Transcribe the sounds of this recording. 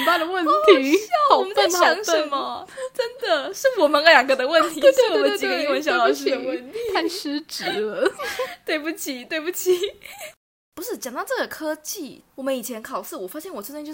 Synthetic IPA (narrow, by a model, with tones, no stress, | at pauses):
npa˥˩d̪ə˩wə˥˩nt̪ʰi˨˧˦ɕɑ˥˩wɔ˨˩mə˦nt͡sa˥˩ɪɑ˧˥ŋʂə˥˧nmɐ˩ʈ͡ʂə˦˥nd̪ə˨ʂɻ̩˥˩wɔ˨˩mə˧˦nə˧˥ljɑ˨˩ŋɡə˧d̪ə˦wə˥˩ntt̪ʰi˧˥t̪ɔ˨˧˨mə˧˦˥t͡ɕi˨ɡə˧˦i˥wə˧˥nɕjɑ˧˥ʊlɑ˨˩ʊʂɻ̩˥d̪ə˧wə˥˩nt̪ʰi˩a˥˧nʂɻ̩˥ʈ͡ʂɻ̩˧˥lə˧˦t̪we˥˧ɪpu˥˩t͡ɕʰi˨˩˦t̪we˥ɪpu˥˩t͡ɕʰi˨˩ | pu˧˦ʂɻ̩˥˩t͡ɕjɑ˨˩ŋt̪ɑ˥˧ʈ͡ʂɤ˥˩ɡə˩kʰɤ˥t͡ɕi˥˩wɔ˨˩mə˦ni˨˩t͡ɕʰjɛ˧˥nkʰɑ˨˩ʊsɹ̩˥˩wɔ˨˩fa˥ɕjɛ˥˩nwɔ˨˩t͡sʰt͡ɕt͡ɕj